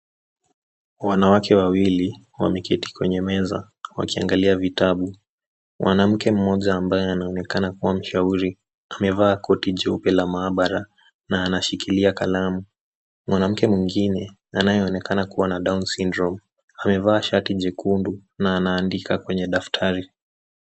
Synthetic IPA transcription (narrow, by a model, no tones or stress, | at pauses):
wanawakʰɛwawili | wa̰mɛkɛti̥kwɛɲɛmɛza̰ | wa̰kia̰ŋɡaliavitaɓu | mwʔanam̩kɛm̩mɔʄaːmbajɛanaɔnɛkanakuwam̩ʃauɾi | amɛvaːkɔtiʄɛupɛlamaːɓaɾa | naːnaʃikiliakalamu | mwanam̩kɛmwiŋɡinɛ | anajɛɔnɛkanakuwanaɗawnsindɾɔm | amɛvaːʃatiʄɛkʰundunaːnaːndikakwɛɲɛɗaftʰaɾi